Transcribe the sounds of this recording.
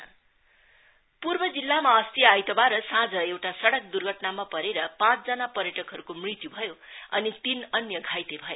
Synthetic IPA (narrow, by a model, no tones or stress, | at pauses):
purbʌd͡zilːamaʌst̪iajt̪obaɾʌsãd͡zʌewʈasʌɽʌk̚d̪urɡʱʌʈnamapʌɾeɾʌpãt͡sd͡zʌnapʌɾjʌʈʌkɦʌɾukomrit̪jubʱʌjoʌnit̪inʌnjʌɡʱajt̪ebʱʌjo